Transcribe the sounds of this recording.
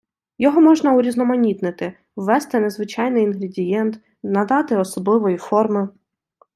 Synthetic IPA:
jɔɦɔmɔʒnɐuɾʲiznɔmɐnʲit̪nɪt̪ɪ | wːɛst̪ɪnezʋɪt͡ʃɑjnɪjinɦɾedʲijɛnt̪ | nɐd̪ɑt̪ɪɔsɔblˠɪʋɔjifɔrmɪ

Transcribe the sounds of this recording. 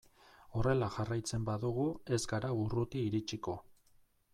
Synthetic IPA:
o̞re̞laʝarajt͡se̞mbaðuɣue̞zɡaɾaurut̪iːɾit͡ʃiko̞

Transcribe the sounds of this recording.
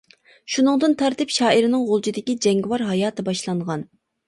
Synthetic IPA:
ʃunɨŋd̪ɨnt̪ʰɑɾt̪ɪpʃɑːiɾɪnɪŋʁolˠt͡ʃid̪ɪkʲid͡ʒɛŋɡʲwɑɾɦɑjɑːt̪ʰɨbɑʃlˠɑɴʁɑn

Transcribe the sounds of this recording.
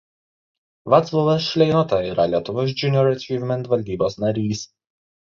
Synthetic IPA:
ʋɑt̪slˠɔʋɐsʃʲlʲɛɪnot̪ɐiːɾɐlʲiɛt̪ʊʋoːs̬d͡ʒʲʊnʲɔɾɐt͡ʃʲiːvʲmʲɛnt̪ʋɐlʲd̪ʲiːboːsnɐɾʲiːs

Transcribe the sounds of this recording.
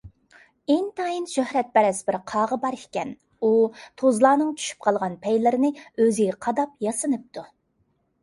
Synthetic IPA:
ɪŋt̪ʰɑjinʃøhɾɛt̪̚bɛɾɛsbɪɾqʰɑːʁəbɑɾikʲɛn | ut̪ʰozlˠɑːnɨŋt͡ʃʰy̥ʃy̥p̚qʰɑlˠʁɑnpʰɛjlɪɾɪnɪøzɪɡʲɛqʰɑd̪ɑp̚jɑsɨnɨp̚t̪ʰu

